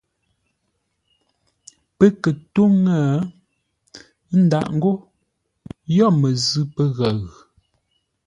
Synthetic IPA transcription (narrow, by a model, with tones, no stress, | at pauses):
pə˦kə˨to˦ŋə˦˨˦ | n̩˦da̰˨ʔŋ̩˦ɡo˦ | jɔ˦˨mə˨zʉ˦pə˦ɣa˨ɣ